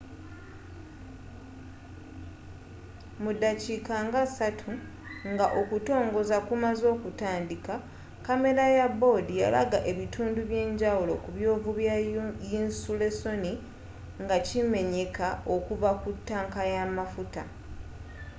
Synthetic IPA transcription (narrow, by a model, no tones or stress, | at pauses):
mudaciːkaŋɡasatʰu | ŋɡaʔo̞kuto̞ːŋɡo̞zakumazo̞ːkutaːndika | kame̞ɾajabo̞dija̰la̰ɡaʔe̞βitʰuːnduβje̞ːɲɟawulo̞kuβjo̞ːvuβjajinsule̞so̞ni | ŋɡacime̞ɲe̞kaʔo̞kuvakutːaːŋkajamafuta̰